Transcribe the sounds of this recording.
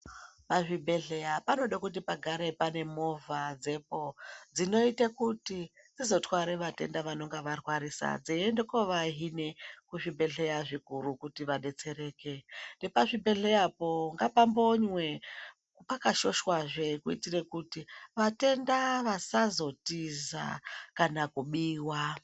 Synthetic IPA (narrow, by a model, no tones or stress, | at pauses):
paʐibʱe̞ɮe̞japano̞ɗakut̬ipaɡʱaɾe̞pane̞mo̞vʱad͡ze̞pod͡zino̞itekuti | d͡zizo̞twaɾeʋate̞ndaʋano̞ŋɡaʋarwaɾisa̰d͡ziendekoʋaɦinekuʐibʱe̞ɮe̞jaʐikuɾukutiʋaɗe̞t͡se̞ɾe̞ːkende̞paʐibe̞ɮe̞japo̞ŋɡapambo̞ɲwe̞ | pakaʃo̞ʃwaʐekuḭtire̞kutiʋate̞ndaʋasazo̞tiza̰kanakuɓiːwa